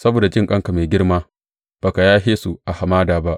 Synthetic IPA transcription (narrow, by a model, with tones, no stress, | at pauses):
sɐ˦boː˨da˨d͡ʒɪ˦ŋkʼɐ˦ŋka˨meː˨ɡʲɪ˦rmaː˦ | b̥a˨ka˨jaː˦ɦeː˦su˨ʔa˨ha˨maː˦daː˨ba˦ʔ